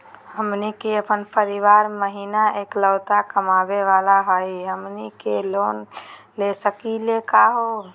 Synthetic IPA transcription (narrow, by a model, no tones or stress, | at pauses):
həmnikeəpənpəɾiʋaɾməɦiːnaʔeːkləʊt̪akəmaːbeʋalaɦəjɦəmnikeloːnlesəkilekaɦo